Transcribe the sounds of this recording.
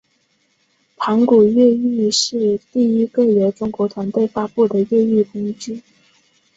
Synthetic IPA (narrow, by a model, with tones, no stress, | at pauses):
pʰa˧˥ŋku˨˩ɥɛ˥˧y˥˧ʂɻ̩˥˧t̪i˥˩i˥kə˥˩ɥɛ˧˥ʈ͡ʂʊ˥ŋkwɔ˧˥t̪ʰwa˧˥nt̪we˥˩ɪfa˥pu˥˩d̪ə˩ɥɛ˥˧y˥˩kʊ˥ŋt͡ɕy˥˩